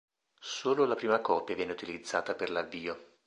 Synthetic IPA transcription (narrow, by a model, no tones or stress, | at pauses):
soːlolapɾiːmakɔːpjavjɛːneut̪ilid̪zːa̰ːt̪aperlavːiːo